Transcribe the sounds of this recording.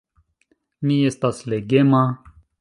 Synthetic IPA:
miest̪asleɡema

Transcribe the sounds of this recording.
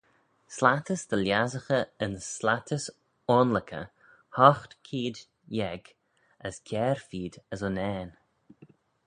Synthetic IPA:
slat̪əsd̪̥əljazəxəənslat̪ʰəs | ɔnləkʰə̰ | hɔxt̪kʰiːd̪ | jɛɡ | əskʲʰɛːɾfiːd̪əzɔnɛːn

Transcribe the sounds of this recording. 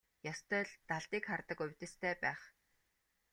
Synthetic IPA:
jast̪ʰœːɮt̪aɮt̪iːkχart̪ə̆kʊwʲt̪ɘ̆st̪ʰæːpæːχ

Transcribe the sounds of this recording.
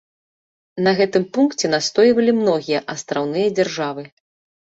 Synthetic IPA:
nɐɣɛt̪ɨmpunkt͡sʲɛnast̪ɔjvɐlʲimnɔɣʲijɐʔɐst̪ɾawnɨjɐd͡zʲarʐavɨ

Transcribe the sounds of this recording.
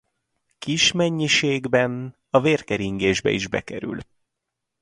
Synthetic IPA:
kiʃmɛɲːiʃeːɡbɛn | ɒveːrkɛɾiŋɡeːʒbɛ̰iʒbɛ̰kɛɾy̰l

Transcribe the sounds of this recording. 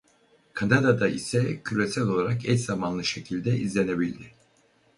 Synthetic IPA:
kʰand̪ad̪ad̪aisɛcʰyɾesælʲo̞lˠaɾakɛtz̥amanlˠɯʃe̞cʰilʲd̪ɛizlʲene̞bilʲd̪ɪ

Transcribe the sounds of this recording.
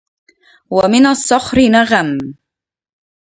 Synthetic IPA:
wamɪnasˤːʊxɾɪnaɣam

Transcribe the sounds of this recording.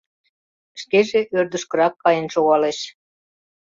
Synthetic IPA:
ʃkeʒeʔørd̪əʃkə̆ɾɑkːɑjə̆nʃoɣɑleʃ

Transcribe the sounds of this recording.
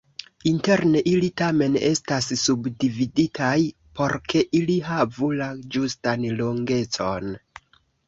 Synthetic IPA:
inte̞ɾne̞ʔilitame̞ne̞stasːubdividitʰaj | po̞ɾkʰe̞ʔiliɦavulad͡ʒustanlo̞ŋɡe̞t͡so̞n

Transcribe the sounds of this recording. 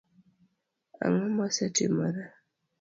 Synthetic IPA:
a̰ŋɔmasatimaɾa

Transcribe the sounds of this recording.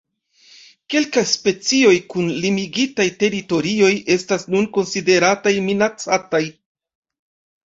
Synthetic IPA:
ke̞lkajspe̞t͡sio̞jkunlimiɡitajte̞ɾito̞ɾio̞je̞stasnunko̞nside̞ɾatajminat͡sataj

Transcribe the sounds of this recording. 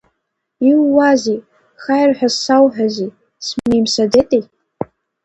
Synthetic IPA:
iwːazi | χajrħʷᶣasawħᶣazi | smejmsadetʼej

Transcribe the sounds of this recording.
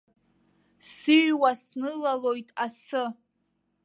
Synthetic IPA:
sɨʒwasnɨlalo̞jtʼasɨ

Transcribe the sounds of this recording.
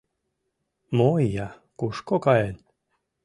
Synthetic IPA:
mojjɑ | kuʃkokɑen

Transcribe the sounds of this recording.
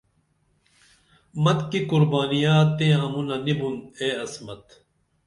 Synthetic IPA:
mɐt̪kikuɾbaːnijaːt̪ːẽɐ̃munɐnibuneːɐsmɐt̪

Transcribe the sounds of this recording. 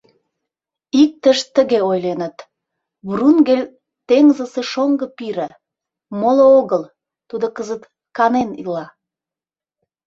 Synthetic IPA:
ik̚t̪əʃt̪əɣeojlenət̪ | βrunɡelʲ | t̪eŋzəseʃoŋɡə̆piɾə̆ | molooɣəl | t̪ud̪okəzət̪ | kɑnenḭlɑ

